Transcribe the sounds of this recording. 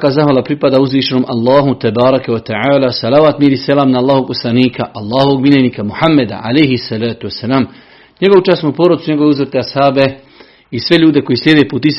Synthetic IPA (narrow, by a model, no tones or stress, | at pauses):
kaːzaɦʋalapɾipad̪auzʋiːʃenoːmʔalˠːaːɦut̪ɛbaːɾakɛwat̪ɛʕaːlaːsalaːʋaːt̪miɾiselaːmnaalˠːaːɦooɡ̚poslˠaniːkʰaʔalˠːaːhoʋoɡmilʲeniːkamuhamːed̪a̰ʕa̰lejɦisːalaːt̪uwasːɛlaːm | ɲe̞ɡo̞ʋut͡ʃasmupoːɾod̪suɲe̞ɡo̞ʋeuzvt̪eashaːbe | isʋe̞ʎuːd̪e̞ko̞jisljed̪epuːt̪is